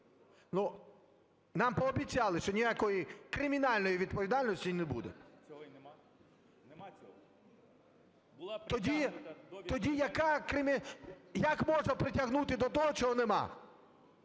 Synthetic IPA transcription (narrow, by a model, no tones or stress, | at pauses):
nu | nɑmpɔːbʲitt͡sʲɑlˠɪʃt͡ʃɔnʲijakɔjikɾɪmʲinɑlʲnɔjiʋʲid̪̚pɔʋʲid̪ɑlʲnɔsʲtʲijnebṵd̪ḛ | t̪ɔdʲi | ɔdʲijɐkakɾɪmʲijɐkmɔʒnɐpɾɪtʲɐɦnut̪ɪd̪ɔt̪ɔɦɔt͡ʃɔɦɔnemɑ̰